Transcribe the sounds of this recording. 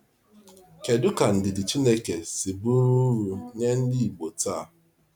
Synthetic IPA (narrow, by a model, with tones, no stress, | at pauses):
ke˨dʊ˦ka˨n̩˨dɪ˨dɪ˨t͡ʃi˦ne˦ke˨si˨bu˦ɾu˦ɾu˨ɲe˦n̩˦di˦i˨ɡ͡bo˨ta˦˨